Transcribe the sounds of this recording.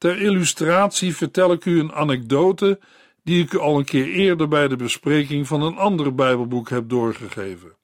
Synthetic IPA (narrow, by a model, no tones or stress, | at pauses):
tɛɹɪlystraːtsivəɹtɛlɪkyəna̰nɛɡ̚dowtə | d̥iɪkyɑlˠənkɪːɹɪːɹdəɹbɛjdəbəsprejkɪŋvɑnənɑndərbɛjbəlˠbukɦɛp̚dʊːɹχəχejvən